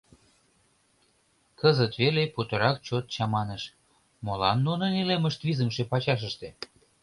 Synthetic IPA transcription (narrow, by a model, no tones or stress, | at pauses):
kəzət̪βeleput̪əɾɑk̚t͡ɕot̪̚t͡ɕɑmɑnəʃ | molɑnːunɤneleməʃt̪βizəmʃepɑt͡ɕɑʃ̬əʃt̪e